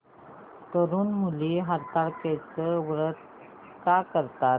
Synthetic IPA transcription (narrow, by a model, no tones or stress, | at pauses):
t̪əɾuːnmuliɦaɾt̪aɭket͡səʋɾət̪̚ | kakəɾt̪at̪